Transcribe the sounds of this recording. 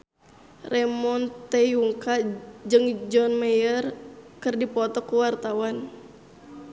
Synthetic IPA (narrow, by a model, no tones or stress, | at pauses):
rɛmɔnt̪ɛjuŋkad͡ʒɨŋd͡ʒɔnmajərkɨrdipɔt̪ɔkuwart̪awan